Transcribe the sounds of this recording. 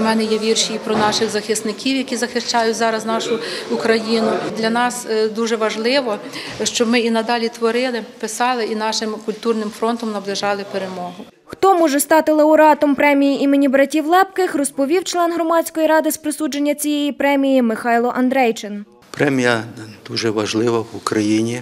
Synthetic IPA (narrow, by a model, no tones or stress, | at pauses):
mɛnɛjɛʋʲirʃiipɾɔnɑʃɪɣzɐxɪst̪nɪkʲiwjɐkʲizɐxɪʃt͡ʃɑjʊtʲzɑɾɐznɑʃʊʊkɾɐjinʊd̪lʲɐnɑsd̪uʒɛʋɐʒlˠɪʋɔ | ʃt͡ʃɔbmɪinɐd̪ɑlʲit̪ʋɔɾɪlˠɪpɪsɑlˠɪinɑʃɪmkʊlʲt̪urnɪmfɾɔnt̪ɔmnɐblˠɪʒɑlˠɪpeɾemɔɦʊ | xt̪ɔmɔʒɛst̪ɑt̪ɪlˠɐʊɾɑt̪ɔmpɾɛmʲijiʔimenʲibɾɐtʲiwlˠɛpkɪxrɔspɔʋʲiwt͡ʃlˠɛnɦɾɔmɑt͡sʲkɔjiɾɑd̪ɪspɾɪsud͡ʒenʲːɐt͡sʲijɛjipɾɛmʲijimɪxɑjlˠɔʔɐnd̪ɾɛjt͡ʃɪn | pɾɛmʲijɐd̪̥uʒɛʋɐʒlˠɪʋɐwukɾɐjinʲi